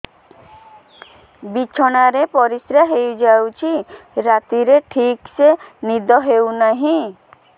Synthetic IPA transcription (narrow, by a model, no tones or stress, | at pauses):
bit͡ʃʰɔɽ̃aɾepɔɾisɾaɦejud͡ʒawt͡ʃʰiɾat̪iɾeʈʰiksenid̪ɔɦewnaɦĩ